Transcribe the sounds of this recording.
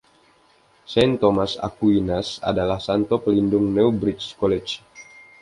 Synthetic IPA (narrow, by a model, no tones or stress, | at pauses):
sɛnt̪omasa̰kuinasa̰dalahsant̪ɔpəlindʊŋnɛubɾit͡ʃkɔlɛt͡ʃ